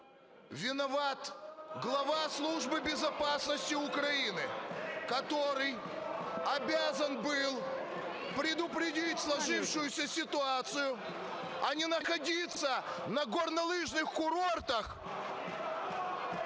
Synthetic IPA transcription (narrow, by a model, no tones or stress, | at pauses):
vʲɪnɐvat̪ɡlˠɐvaslˠuʐbɨbʲɪzɐpasnəsʲtʲɪʊkɾɐinɨkɐt̪o̞ɾɨj | ɐbʲazənbɨlˠ | pɾʲɪd̪ʊpɾʲɪdʲitʲslˠɐʐɨfʂʊjʊsʲəsʲɪt̪ʊat̪sɨjʊ | ɐnʲɪnəxɐdʲit̪sːənɐɡornɐlˠɨʐnɨxkʊɾo̞rt̪əx